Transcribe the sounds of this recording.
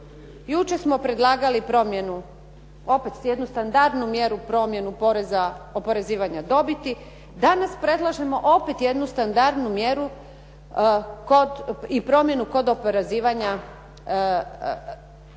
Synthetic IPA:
jut͡ʃe̞smo̞pɾe̞d̪lˠaːɡalipɾomjenu | o̞pe̞t̪sjed̪nust̪and̪aɾd̪numje̞ɾupɾo̞mje̞nupo̞ɾe̞zao̞po̞ɾe̞ziːʋaɲad̪o̞bit̪i | d̪anaspɾe̞d̪lˠaʒe̞mo̞ʔo̞pet̪je̞d̪nust̪and̪aɾd̪numje̞ɾu | koipɾo̞mje̞nuko̞d̪o̞poɾeziːʋaɲa

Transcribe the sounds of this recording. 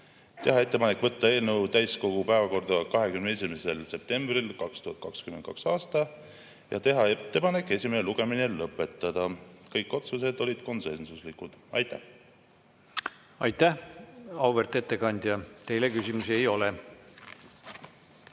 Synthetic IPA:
t̪e̞ɦɑe̞t̪ːepɑnekːˑvɤt̪ːɑe̞ːlnewt̪æjsko̞ɡ̥upæevɑko̞rd̪ɑkɑɦe̞kymnees̬ʲimese̞lse̞p̚t̪e̞mb̥rilkɑkst̪uhɑt̪̚kɑkskymend̪̚kɑ̰ksɑːst̪ɑ | jɑ̰t̪e̞ɦɑet̪ːe̞pɑne̞kːˑe̞sʲimeneluɡ̥e̞minelɤpːˑe̞t̪ːˑɑd̪̥ɑkɤjkːˑo̞t̪suse̞d̪o̞lʲid̪̥ko̞nse̞nsuslikud̪̥ɑ̰jt̪ːˑæ̰h | ɑjt̪ːæhɑwvert̪ːˑe̞t̪ːe̞kɑnʲd̪̥ʲjɑt̪e̞jle̞kysʲimusiejo̞le

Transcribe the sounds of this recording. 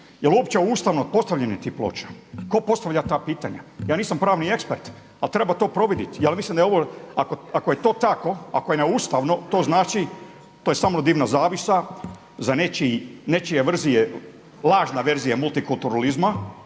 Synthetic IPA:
jeluopt͡ʃeuːst̪aʋnopo̞st̪aʋʎenit̪iːplˠo̰ːt͡ʃḁko̞po̞st̪aʋʎʲat̪aːpiːt̪aɲa̰jaːniːsampɾaːʋnie̞kspeɾt̪ | alt̪ɾe̞bat̪o̞ːpɾo̞ʋid̪it̪jalmislimd̪aeoʋoakoakojet̪o̞ːt̪ako̞a̰kojeneuːst̪aʋno̞t̪oːznaːt͡ʃi | t̪ojesaːmnod̪iːʋnazaːʋisa | zanet͡ʃine̞t͡ʃijeʋr̩zije | lˠaːʒnaʋe̞ɾzijamulˠt̪ikult̪uɾalizma

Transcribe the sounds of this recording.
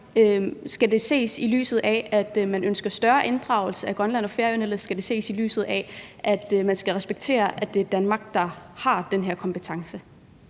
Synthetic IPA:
øsɡ̥æde̝se̝̰ːsily̰ːsð̞̩ˠɛæd̥mænønsɡ̥ɐsd̥ɶɐʔe̝nd̥ʁɑ̈ʊl̩səæɡ̥ʁɶnlæn̰ɒ̽feɐøneləsɡ̥æd̥e̝se̝̰ːsily̰ːsð̩ˠɛʔæd̥mænsɡ̥æʁɛsb̥eɡ̥̚t͡sʰe̝̰ːɐʔæd̥e̝æɐd̥ænmɑ̈ɡ̥̚d̥ɑ̈hɑ̈d̥enɦeɐ̰kʰɒ̽mpʰet͡sʰɑ̈ŋsə

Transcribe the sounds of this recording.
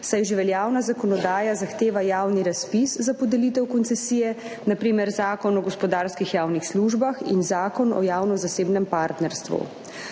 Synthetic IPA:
sajʒiʋɛljaːwnazakɔnɔd̪aːjazaxt̪eːʋajaːwniɾaspiszapɔd̪ɛlit̪ɛwkɔnt̪sɛsiːjɛ | napɾiːmɛɾzaːkɔnɔɡɔspɔd̪aːɾskixjaːwnixsluʒbaxḭnzaːkɔnɔ̰jaːwnɔzaseːbnɛmpaːɾt̪nɛɾst̪ʋṵ

